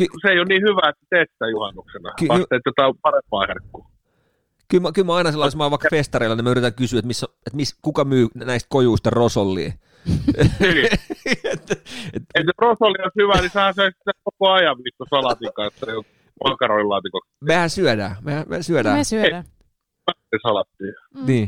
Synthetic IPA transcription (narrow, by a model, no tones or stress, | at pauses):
kyseeˑijonniːhyʋæet̪sit̪et̪ːæːjuhɑnːuksenɑ̰kyɑst̪eˑt̪jot̪ɑˑpɑrempɑːherkːuː | kylmækylmæɑinɑselːɑˑismɑːʋɑikːɑfest̪ɑreilːɑnimæyrit̪æŋkysyet̪misːoet̪miskukɑmyːnæist̪̚kojuist̪ɑrosolːḭː | et̪ːet̪eiserosolːioshyʋænisehæ̃nsɑisit̪ːekokoɑjɑʋʋiːkːosɑlɑt̪ikɑet̪ːæo | mɑkɑroillɑːt̪ikoksmehæsyœdæ̰ːmehæmḛsyædæːse | ɑisɑlɑt̪ːiːniː